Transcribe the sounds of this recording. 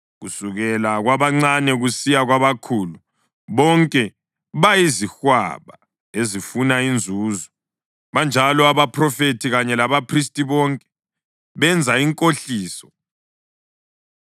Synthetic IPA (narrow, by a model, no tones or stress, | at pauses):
ɣusuɣɛlaɣwaβaŋ͡ǀanɛɣusijaɣwaβakʰulu | βɔŋkʼɛ | βajizixwa̰βa̰ | ezifunaind͡zʱuːzɔ | βand͡ʒʱalɔaβapʰrɔfetʰiɣaɲɛlaβapʰris̬tʼiβɔŋkʼɛ̥ | βɛnd͡zʱaiŋkʼoɬiːsɔ